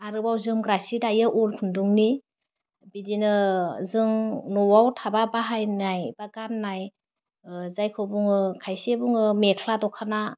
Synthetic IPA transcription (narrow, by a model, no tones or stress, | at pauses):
aɾɯbawzɯŋɡɾasidajɯʔɔlkʰunduŋni | bidinɯzɯŋnɔwawtʰababaɦajnajbaɡanːaj | zajkʰɯbuŋɯkʰajsebuŋɯmekʰladɔkʰana